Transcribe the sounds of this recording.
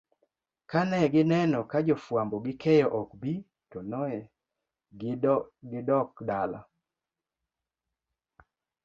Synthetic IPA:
kanɛɡɪnɛnɔkad͡ʒɔfwambɔɡɪkʰɛjɔʔɔkbi | tɔnɔɛ | ɡɪdɔkdala̰

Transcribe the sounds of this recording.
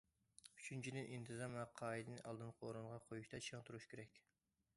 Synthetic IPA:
y̥t͡ʃʰynt͡ʃʰid̪ɪnʔint̪ʰɨzɑmɛqʰɑːid̪ɨnɨʔɑlˠd̪ɨnqʰoːɾuɴʁɑqʰojuʃt̪ɑt͡ʃʰəŋt̪ʰuɾuʃkʲeɾɛkʲ

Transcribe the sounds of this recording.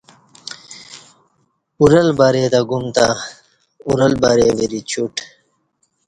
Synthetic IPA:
uɾɐlbaɾeːt̪aɡumt̪a | uɾɐlbaɾeːweɾit͡ɕuʈ

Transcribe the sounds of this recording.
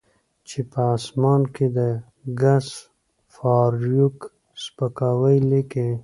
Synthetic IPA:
t͡ʃepəːsmɑːnked̪ə | ɡas | fɑːɾjuk | spəkɑːwəjlike

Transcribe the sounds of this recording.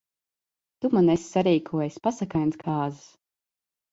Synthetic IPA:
t̪umanesʲːaɾiːkʰuɔjasʲpasakajnskʰaːzɨ̥s

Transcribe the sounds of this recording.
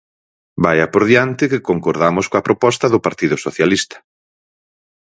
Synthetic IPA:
bajɐpoɾðjant̪ɪkɪkoŋkoɾðamʊskoɐpɾopɔst̪ɐðʊpaɾt̪iðʊsoθjalist̪ɐ̥

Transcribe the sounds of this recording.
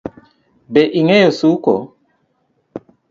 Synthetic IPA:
bɛʔiŋɛjosukɔ̰

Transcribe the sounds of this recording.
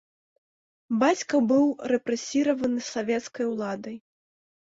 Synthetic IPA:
bat͡sʲkɐbɨwɾɛpɾɛsʲiɾɐvɐnɨsavʲɛt̪skɐjwlˠad̪ɐj

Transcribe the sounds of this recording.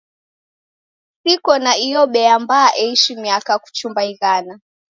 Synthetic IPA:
sikɔnaijɔɓɛambaːʔɛiʃimiakaku̥t͡ʃumbaiɣana

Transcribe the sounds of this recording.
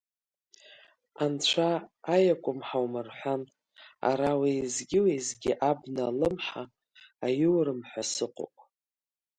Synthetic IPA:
ant͡ɕʷʰaːjakʷʼʊmħawmɨrħʷan | a̰ɾawezɡʲɪwezɡʲɪʔabnalɨmħaː | jɪwɾɨmħʷasɨqʼo̰pʼ

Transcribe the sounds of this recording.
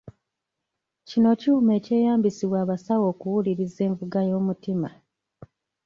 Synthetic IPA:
cino̞ciume̞ːce̞ːjaːmbisiβwaːβasawo̞ːkuwuliɾize̞ːɱvuɡajo̞ːmutima

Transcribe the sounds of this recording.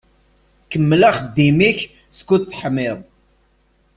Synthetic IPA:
kəmːlæχəd̪ːimiç | skuθħmɪðˤ

